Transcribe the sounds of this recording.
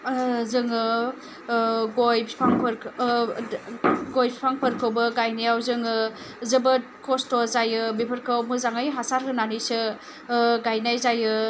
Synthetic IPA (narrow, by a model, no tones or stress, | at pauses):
zɯŋɯ | ɡojpʰi̥pʰaŋpʰɐɾʰ | ɡojpʰi̥pʰaŋpʰɐɾkʰɯwbɐɡajnijawzɯŋɯ | zɯbɐt̚ | kʰostozajɯbipʰɐɾkʰawmɯzaŋajɦasaɾkʰɯnanisɯ | ɡajnajzajɯ